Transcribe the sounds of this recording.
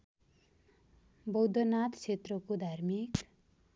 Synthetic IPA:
bʌwd̪ʱʌnat̪t͡sʰet̪rʌkod̪ʱarmik

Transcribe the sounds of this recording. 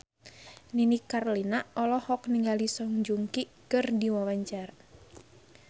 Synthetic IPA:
ninikarlinaɔlɔhɔk̚niŋɡalisɔŋd͡ʒuŋkikɨrdiwawaɲt͡ʃar

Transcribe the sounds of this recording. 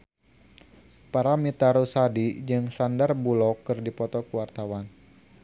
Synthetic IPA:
paɾamit̪aɾusadid͡ʒɨŋsandarbulɔkɨrdipɔt̪ɔkuwart̪awan

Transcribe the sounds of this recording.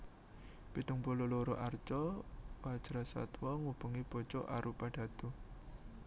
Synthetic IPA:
pit̪uŋpuloloɾoʔart͡ʃɔwḁd͡ʒ̥ɾasa̰t̪wɔŋub̥uŋib̥o̤t͡ʃɔ̰ʔaɾupaɖ̥a̤d̪̥ṳ

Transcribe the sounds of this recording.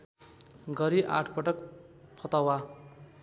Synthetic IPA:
ɡʌɾiʔa̰ʈʰpʌʈʌk | pʰʌt̪awa

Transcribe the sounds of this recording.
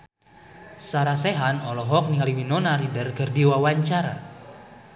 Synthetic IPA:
saɾasɛɦanɔlɔɦɔk̚niŋaliwinɔnaɾidərɡərdiwawaɲt͡ʃaɾa

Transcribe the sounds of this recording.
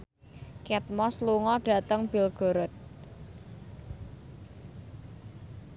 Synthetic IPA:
kɛt̪̚mɔsluŋɔɖ̥a̤t̪əŋb̥i̤lɡ̥o̤ɾʊt̪̚

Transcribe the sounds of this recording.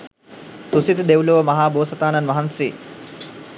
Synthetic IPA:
t̪usit̪əd̪ewuloʋəmɐɦaːboːsɐt̪aːnɐnʋɐɦansḛː

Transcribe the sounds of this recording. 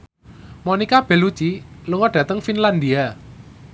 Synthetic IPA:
monikab̥ɛ̤lut͡ʃiluŋɔɖ̥ä̤t̪əŋfinland̪ia

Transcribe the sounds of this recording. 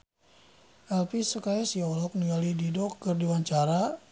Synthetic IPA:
ʔɛlpisəkaɛsiɔlɔk̚niŋɡalididɔkːərdiwaɲt͡ʃaɾa

